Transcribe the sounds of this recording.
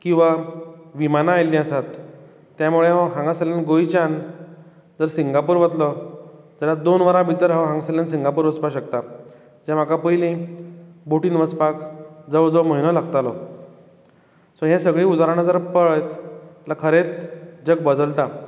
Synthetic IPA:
kĩw̃ʋaʋimanaːjlːĩəsat̪ː | jamuɭeɦə̃ɦãŋɡasəljanɡojt͡ɕan | d͡zəɾsiŋɡapuːɾʋət̪lɔ | d͡zalad̪onʋəɾãbʱit̪əɾɦə̃ɦãŋɡsəljansiŋɡapuːɾʋəspaɕəkt̪a | d͡ʑam̤akapəjlĩ | boʈiːnʋəspakd͡zəʋd͡zəməɦinɔlaɡt̪alɔ | sɔɦẽsəɡɭiːud̪aɾanad͡zəɾpəɭt̪lakʰəɾet͡sd͡ʑəɡ̚bəd̪əlt̪a

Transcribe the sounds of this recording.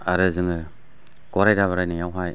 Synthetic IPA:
aɾɯzɯŋɯ | ɡ̥ɔɾajdaβaɾajnɯjawɦaj

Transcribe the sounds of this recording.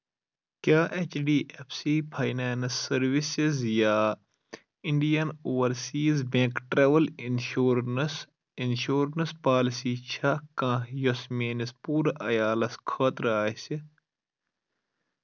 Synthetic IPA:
kjaːʔet͡ʃɖiːʔefsiːpʰajnaːnsːɐɾʋisizjaː | iɳɖijɐnoːwɐɾsiːzbẽːkʈɾɐʋɐlinuɾs | inʃuːɾnɐspaːlisiːt͡ʃʰakãːjosmeːnispuːɾɐʔɐjaːlɐskʰɐːt̪ɾaːsi

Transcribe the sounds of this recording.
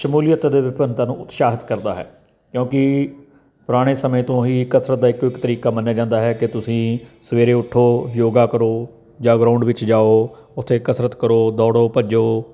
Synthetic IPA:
ʃəmuːlɪjət̪d̪eːʋɪpənt̪ãːnṵ̃ːʊt̪ʃaːɦɪt̪kəɾd̪a̰ːɦɛ̰ː | kjõːkɪ | pʊɾaːɽ̃eːsəmẽːt̪õːɦiːkəsɾət̪̚d̪aːɪkːɪkt̪əɾiːkaːmənːjaːd͡ʒãːnd̪aːɦɛːkɪt̪ʊsĩːsəʋeːɾeːʊʈʰːoːjoːɡaːkəɾoː | d͡ʒãːɡɾaːʊɳɖʋɪt͡ʃd͡ʒaːoːʊt̪ʰːeːkəsɾət̪kəɾoːd̪ɔːɽoːpəd͡ʒoː

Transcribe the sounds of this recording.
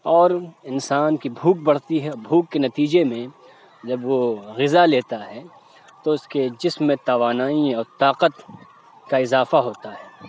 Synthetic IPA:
ɔːɾɪnsaːnkibʱuːk̚bɐɽ̤t̪iɦɛbʱuːkːenɐt̪iːd͡ʒemẽ | d͡ʒɐbʋoɣɪzaleːt̪aɦɛː | t̪oʊsked͡ʒɪsmːẽt̪aːʋaːnaːiɔːɾt̪aːqət̪ | kaɪzaːfaɦoːt̪aɦɛː

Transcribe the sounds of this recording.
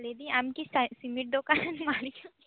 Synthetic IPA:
led̪iamkissimiʈ̚d̪okaɾənmaːli

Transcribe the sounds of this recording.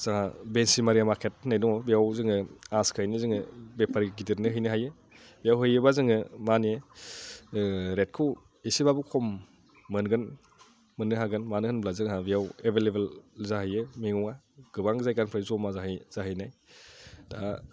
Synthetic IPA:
z̥aŋabensimaɾijamaɾkʰet̚najnɔbijawzɯŋɯaskʰɯajnɯzɯŋɯbepʰaɾiɡidiɾnɯɦɯjnɯɦajɯ | bijawɦɯjɯbazɯŋɯmanie | ɾet̚kʰɯw | esibabukʰɔmː | ɯnɡɯn | mɯnːɯɦaɡɯnmanɯhɯnblazɯŋɦabijawebʱelebelzaɦɯjɯmiŋuŋa | ɡ̥ɯbaŋzajkanpʰɾɯzɔmazaɦɯjz̥aɦɯjnaj | da

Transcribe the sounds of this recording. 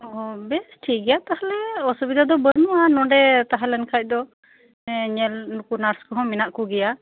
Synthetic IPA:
ɔɔbɛsʈʰiɡɛjat̪ahalɛɔsubid̪ʱad̪ɔbəɾmuanɔɖɛt̪aɦalɛnkʰac̚ˀd̪ɔ | ɲɛlnukunaɾskɔɦɔ̃minaʔkuɡɛja

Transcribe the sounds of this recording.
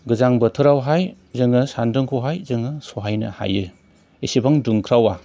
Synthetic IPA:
ɡɯzaŋbɐtʰɯɾawɦaj | zɯŋɯsandɯŋkʰuwɦajzɯŋɯsoɦajnɐ̰ha̰jɯ | isibaŋduŋkʰɾawa

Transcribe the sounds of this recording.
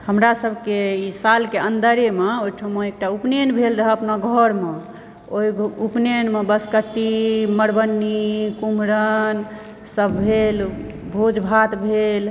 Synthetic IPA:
həmɾasəbʱkeisalkeənd̪əɾemeojʈʰəmeek̚ʈaupnenbʱelɾəɦɛəpnaɡʱɔɾme | ojupnenmebəskəʈːiməɾbənːikumɾən | səbːʱelbʱod͡ʒbʱat̪bʱel

